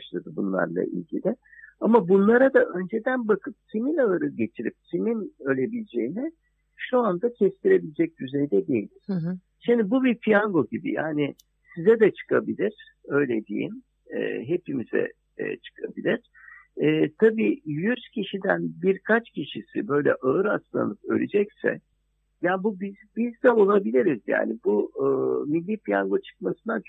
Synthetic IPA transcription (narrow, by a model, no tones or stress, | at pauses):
baʃlˠad̪ɯbunlˠa̰ɾlˠa̰ʔḭlʲɟilʲɪ | amabunlˠaɾad̪aʔø̞nd͡ʒed̪ænbakʰɯp̚t̪ʰiminʲalˠaɾɯɟe̞t͡ʃʰiɾḭp̚t̪ʰiminø̞lʲe̞bilʲed͡ʒe̞jinɛ | ʃuand̪acʰɛst̪ʰiɾe̞bilʲed͡ʒɛc̚d̪yzɛjd̪ɛd̪e̞jilʲiɾ̥ | ʃimd̪ibubipʰijaŋɡo̞ɟibḭja̰ːni | sizɛd̪ɛt͡ʃʰɯ̥kʰabilʲiɾ̥ | ø̞jlʲed̪ḭjḭn̰ː | ɦe̞pimizɛ̰ː | t͡ʃʰɯ̥kʰabilʲiɾ̥ | ɛːt̪ʰabiːjyzcʰiʃid̪ænbiɾkʰat͡ʃcʰiʃisḭbø̞jlʲɛ̰ʔaɯɾast̪lˠa̰nˠɯpø̰lʲed͡ʒɛcsɛ̰ | jaːnbubizbizd̪ɛo̞lˠabilʲiɾizja̰ːnibuː | milʲːiːpʰija̰ŋɡo̞t͡ʃʰɯ̥k̚masɯnat͡ʃʰ